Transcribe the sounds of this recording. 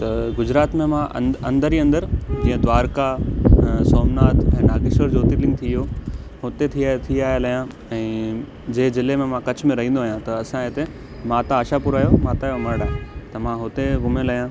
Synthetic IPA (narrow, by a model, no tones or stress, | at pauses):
t̪ɐɡʊd͡ʑɾaːt̪mẽmãʔɐ̰̃nd̪əɾiɐ̃nd̪əɾd͡ʑiːə̃d̪ʋaːɾka | sɔːmnaːt̪ʰɛ̃ːnaːɡɪʃəɾd͡ʑoːt̪ilɪ̃ŋɡ̚t̪ʰijo | ɦʊt̪et̪ʰiaːt̪ʰiaːelɐjã | ɛ̃ː | d͡ʑeːzɪlemẽmãkɐt͡ɕʰmẽɾɐɦĩːnd̪oːɦjãt̪ɐɐsãet̪e | maːt̪aːʃapuɾaːjomaːt̪aːjomɐɾɽaːɦet̪ɐmãɦʊt̪eɡʊmẽlɐjã